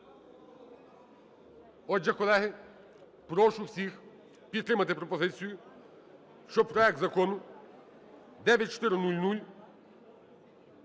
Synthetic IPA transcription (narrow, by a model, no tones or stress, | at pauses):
ɔd͡ʒɐkɔlˠɛɦɪ | pɾɔʃʊwsʲix | pʲid̪t̪ɾɪmɐt̪ɪpɾɔpɔzɪt͡sʲijʊ | ʃt͡ʃɔpɾɔɛk̚t̪zɐkɔnʊ | d̪ɛʋʲjɐt̚ʲt͡ʃɔ̥t̪ɪɾɪnulʲnulʲ